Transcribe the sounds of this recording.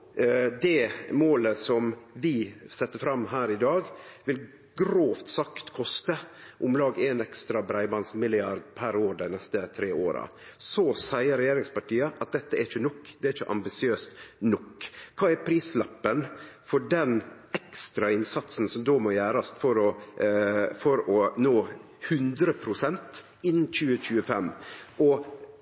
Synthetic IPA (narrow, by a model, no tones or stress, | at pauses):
d̪ɛmoːləsɔmʋɪsɛt̪ːəfɾɑmːɦæːɾɪd̪ɑːɡʋɪl | ɡɾoːft̪sɑkt̪kʰɔst̪əʔʊmlɑːɡenɛkst̪ɾɑbɾæɪbɑnsmɪlɪɑɾd̪pʰæɾoːd̪æɪnɛst̪ət̪ʰɾeːoːɾɑ̰ | sɔsæɪəɾɛjeːɾɪŋspɑʈiːəʔɑt̪̚d̪ɛt̪ːəɛæɾɪçənɔkːd̪ɛæɾɪçəʔɑ̰mbɪsɪøːst̪nɔkːkʰɑːæɾpʰɾiːslɑpːənfɔɖɛn | ɛkst̪ɾɑɪnsɑt̪sn̩sɔmd̪oːmɔjæːɾɑst̪fɔɾɔ | fɔɾɔnoː | hʉnd̪ɾəpʰɾʊsɛnt̪ | ɪnːc͡çʉːəçʉːəfɛmːɔ